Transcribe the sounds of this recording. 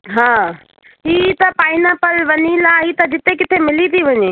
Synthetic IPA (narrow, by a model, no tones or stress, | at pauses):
ɦãː | ɦit̪ɐpaːinãpɐlʋɐɲilaɦit̪ɐd͡ʒɪt̪ekɪt̪ʰemɪlit̪ʰiʋɐɲiː